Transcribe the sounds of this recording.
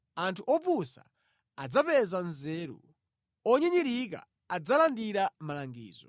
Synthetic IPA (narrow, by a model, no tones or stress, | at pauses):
antʰuʔɔpusa̰ | ad͡zapɛzanzɛɾṵ | ɔɲɛɲiɾika̰ | ad͡zalandiɾamalaŋɡḭːzɔ̰